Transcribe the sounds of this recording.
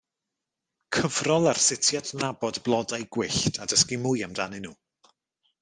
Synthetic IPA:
kʰəvrɔlˠarsɪtʰjatʰnabɔdblˠɔdajɡwɪɬtʰadəskimʊjamdanɨnuː

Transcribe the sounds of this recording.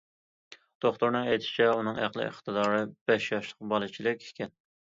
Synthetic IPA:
d̪̥oχt̪uɾnɨŋɛjt̪ʰɪ̥ʃi̥t͡ʃʰɛunɨŋæqlˠɨ̰ɪ̰χt̪ɨd̪ɑːɾɨb̥ɛʃjɑʃlˠəqbɑlˠɨt͡ʃʰilɪkʲe̥kʲɛn

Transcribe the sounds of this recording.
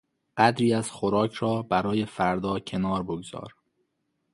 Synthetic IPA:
ɢ̥æd̪ɾiːæz̥xoɾɒːcʰɾɒːbæɾɒːje̞fæɾd̪ɒːcʰe̞nɒːɾboɡz̥ɒ̰ːɾ

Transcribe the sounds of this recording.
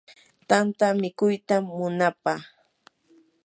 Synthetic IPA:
t̪ant̪amɪkʊjt̪amːʊnapaχ

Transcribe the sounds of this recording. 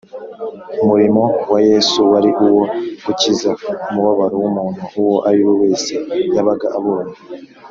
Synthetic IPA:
umuɾimo̞waje̞ːsuwaɾiʔuwo̞kucizaumuβaβaɾowumuːn̥huʔuwo̞ʔaɾiwowe̞ːse̞jaβaɡaʔaβo̞ːna

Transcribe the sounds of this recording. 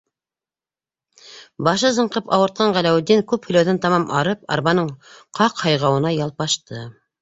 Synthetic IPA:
bɑʃɤzɤ̆ɴqɤpɑwɤ̆ɾt̪̚qɑɴʁælæwɘd̪ːiŋkʉphɵ̆læwðɘnt̪ɑmɑmʔɑɾɤpɑ̰ɾβɑnɤɴqʰɑqhɑjʁɑwɤ̆nɑjɑlˠpɑʃt̪ɤ

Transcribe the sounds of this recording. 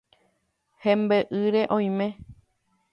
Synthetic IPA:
hẽmbeʔɨɾeʔõj̃mẽ

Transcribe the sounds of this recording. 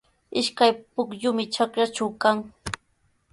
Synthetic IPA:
ɪʃkajpʊkʎʊmɪt͡ʃakɾat͡ʃawkaŋ

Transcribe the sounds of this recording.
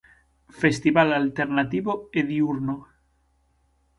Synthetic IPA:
fest̪iβalalt̪eɾnat̪iβoeðiuɾno

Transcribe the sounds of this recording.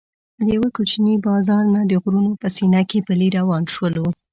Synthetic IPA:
d̪jawəkut͡ʃnibɑzɑɾnad̪əɣɾunopəsinakepəliɾawɑnʃwəlu

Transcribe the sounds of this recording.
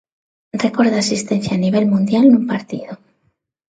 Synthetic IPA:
re̞ko̞ɾðaːsist̪e̞n̟θjaːniβ̞e̞lmũnd̪jalnumpaɾt̪iðo

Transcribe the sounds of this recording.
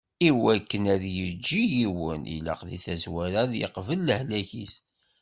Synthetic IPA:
iwækːənæðjəd͡ʒːijiwənʔḭlə̰qðḭθæzwæɾæðjə̰qvəlːəhlæçiθ

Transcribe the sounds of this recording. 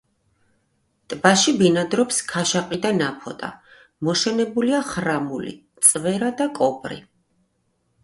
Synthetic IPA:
t̪ʼbaʃibinad̪ɾɔpskʰaʃaqʼid̪anapʰɔt̪ʼa̰ | mɔʃɛnɛbuliaχɾamulḭt̪sʼvɛɾad̪akʼɔpʼɾḭ

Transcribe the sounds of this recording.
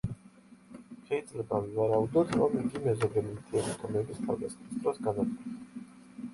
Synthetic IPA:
ʃɛid̪zlɛbavɛvaɾaud̪ɔt̪ɾamind̪imɛzɔbɛlint̪ʰiɛmit̪ʰɔmɛbist̪ʰa̰vd̪asnist̪ʼɾɔsɡanat̪kʰʼɔn

